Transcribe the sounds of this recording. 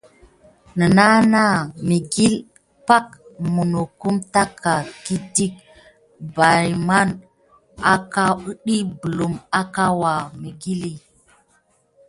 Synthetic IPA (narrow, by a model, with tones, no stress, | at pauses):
nə˨na˦na˦mi˨ɡi˦l | pa˦kmu˨no˨ku˦mta˦kʰa˨ki˦ti˦k̚ | ba˨jma˦n | a˦ka˦u˦ɗi˦bu˨lu˨ma˦ka˦wa˨mi˨ɡi˦li˦